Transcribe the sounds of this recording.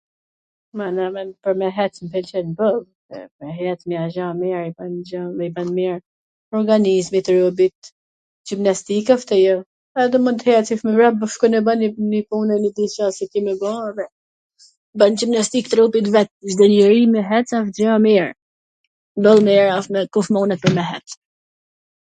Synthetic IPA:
manɛmɛnpəɾmɛɦɛt͡smpʰɛlt͡ʃɛnbəlˠ | ɛ̰mɛɦɛt̪miaʒamiɾiband͡ʒaɛibanmiɾ | ɔɾɡanizmit̪ɾɔb̬it̪ | d͡ʒimnast̪ikaft̪ɛjɔ | ɛd̪ɛmɔnt̪hɛatt͡sifmɛvɾabəʃkunɛbaninipunɛnid̪it͡ʃasit̪imɛbavɛ | band͡ʒibnast̪ikt̪ɾɔbit̪vɛt̪̚d͡ʒd̪ɛnɛɾimɛɦɛt͡safd͡ʒamiɾ | bəlˠmiɾafmɛkɔfmɔnɛt̪̚pəɾmɛɦɛt̪

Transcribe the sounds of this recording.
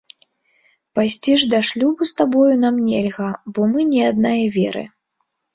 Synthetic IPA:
pajsʲt͡sʲiʐd̪aʂlʲubust̪abɔjunamnʲɛlʲɣɐbɔmɨnʲɛad̪̚najɐvʲɛɾɨ̰

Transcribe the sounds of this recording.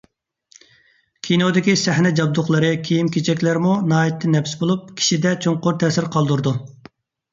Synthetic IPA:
kʲʰinod̪ɪkʲisæhnɛd͡ʒɑb̚d̪ʊχlˠəɾɨkʲʰijimkʲʰet͡ʃʰɛkʲlæɾmunɑːjɛt̪ʰːɪnɛfsbolˠup̚kʲʰi̥ʃid̪ɛt͡ʃʰoŋqʊɾt̪ʰɛːsɪɾqʰɑlˠd̪uɾd̪u

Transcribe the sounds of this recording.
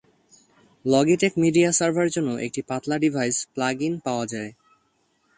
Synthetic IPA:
lɔɡiʈekmiɖiasaɾbʱaɾd͡ʑonːoʔḛk̚ʈipat̪laɖibʱajsplaɡinpaoad͡ʑae

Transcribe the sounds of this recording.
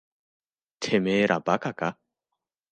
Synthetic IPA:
t̪ʰemeːɾʔabakaka

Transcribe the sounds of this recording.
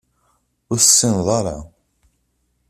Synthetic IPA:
ʊɾsːinðˤɑɾˤɑ

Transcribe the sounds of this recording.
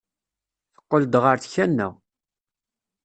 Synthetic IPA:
θə̥qːəld̪ʁəɾθçænːæ̰

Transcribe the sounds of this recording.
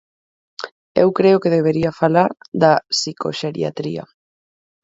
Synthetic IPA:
ewkɾeokeð̞eβ̞eɾiafalaɾðasiko̰ʃeɾḭa̰t̪ɾḭa̰

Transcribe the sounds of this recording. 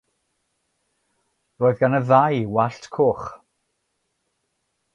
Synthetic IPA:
roːɨðɡanəðajwaɬtʰkʰoːχ

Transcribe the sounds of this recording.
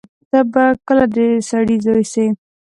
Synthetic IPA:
t̪abakəlad̪əsaɽizɑjse

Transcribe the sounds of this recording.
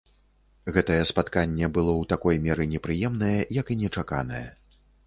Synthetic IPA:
ɣɛt̪ɐjɛspat̪kanʲːɛbɨlˠɔwt̪akɔjmʲɛɾɨnʲɛpɾɨjɛmnɐjɛjɐkinʲɛt͡ʂaka̰nɐjɛ̰

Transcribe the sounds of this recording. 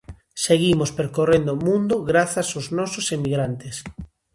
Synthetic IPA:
seɣimospeɾkorend̪omũnd̪ʊɣɾaθasoznɔsʊsemiɣɾant̪es

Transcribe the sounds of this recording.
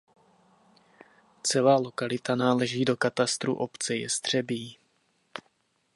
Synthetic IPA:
t͡sɛlaːlokalɪt̪anaːlɛʒiːdo̞kat̪ast̪ɾṵʔopt͡sɛjɛ̰st̪r̝̥ɛbiː

